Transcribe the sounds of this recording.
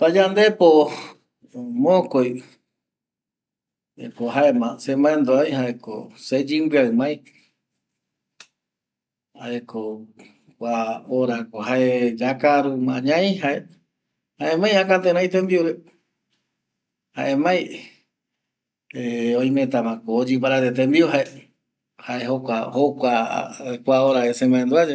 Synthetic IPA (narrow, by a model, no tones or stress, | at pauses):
pad͡ʒand̪epo | mõkoj | ḛkoɦaemãsemãẽnd̪oajhaʔeko̰sed͡ʒɨmbɨaɨmãĩ | aʔekʰo | kʷaoɾakoɦaed͡ʒakaɾumãɲãĩɦae | haẽmãj̃akat̪ẽɾ̃ãĩt̪embioɾe | ha̰ʔemãj̃ | eõj̃mẽt̪̬amãkoːd͡ʒɨp̬aɾat̪et̪̬embioɦae | haeɦokʷahokʷakʷaoɾaesemãẽnd̪uad͡ʒe